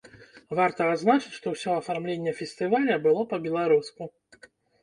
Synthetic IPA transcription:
vart̪ɐad̪znat͡ʂɨt͡sʲʂt̪ɔwsʲɔɐfarmlʲenʲːɛfʲɛsʲt̪ɨvalʲɐbɨlˠɔpɐbʲɛlˠaɾusku

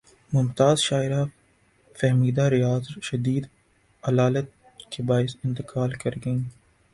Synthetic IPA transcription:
mʊmt̪aːzʃaːɪɾa | fɛɦmiːd̪aɾɪjaːzʃɐd̪iːd̪ | ɐlaːlət̪̚ | kebaːɪsɪ̃nt̪ɪqʰaːlkɐɾɡɐĩ

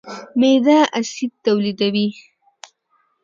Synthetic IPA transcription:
med̪aʔasid̪̚t̪awlid̪awi

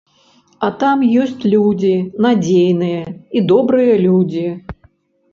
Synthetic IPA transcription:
ɐt̪amjɔsʲt͡sʲlʲud͡zʲinad͡zʲejnɨjɐid̪ɔbɾɨjɐlʲud͡zʲi

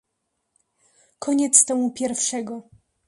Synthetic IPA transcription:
kʰɔɲɛt̪st̪ɛmupʲjɛɾfʂɛɡɔ

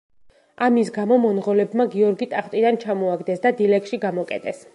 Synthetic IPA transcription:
amisɡamɔmɔnʁɔlɛbmaɡiɔɾɡit̪ʼaχt̪ʼid̪ant͡ʃʰamɔaɡd̪ɛsd̪ad̪ilɛkʃiɡamɔkʼɛt̪ʼɛs

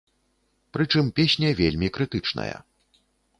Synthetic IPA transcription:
pɾɨt͡ʂɨmpʲesʲnʲɐvʲelʲmʲikɾɨt̪ɨt͡ʂnɐ̰jɐ̰

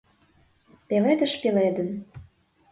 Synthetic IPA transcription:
peled̪ə̆ʃpeled̪ə̆n

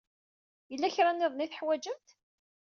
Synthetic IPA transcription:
jəlːæçɾˤanɪðˤniθħwæd͡ʒəmt̪

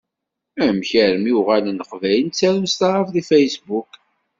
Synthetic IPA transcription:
æmçəɾəmjuʁælənəqvæjənt͡sːæɾust̪ɑɾˤəfðifæjsbuk

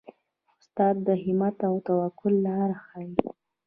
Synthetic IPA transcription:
ʊst̪ɑd̪̚d̪əɦɪmat̪awt̪awakʊlːɑɾaxɑji

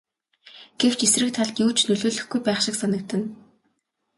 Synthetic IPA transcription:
ɡ̥ew̥t͡ɕesrɘ̆k̚t̪ʰaɮt̪juːt͡ɕnɵɮoːɮɵ̆xɡujpæːχʃɪ̆ksanə̆k̚t̪ɘ̆n

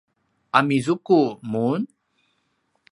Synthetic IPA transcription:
ʔamizukumun

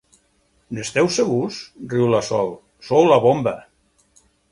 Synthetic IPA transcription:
nest̪ɛwseɣusdriwlasɔlˠ | sowlaβomba

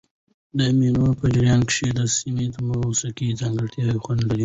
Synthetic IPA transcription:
d̪əminopəd͡ʒɪɾjɑnkʂed̪əsimet̪əmausakid͡zɑŋɡəɽt̪ʰjɑwixwand̪laɾi

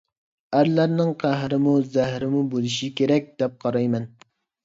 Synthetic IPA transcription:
æɾlæɾnɪŋqʰæɦɾɪmuzæhɾɪmubolˠɪʃikʲʰeɾɛk̚ʲd̪̥ɛp̚qʰɑɾɑjmɛn

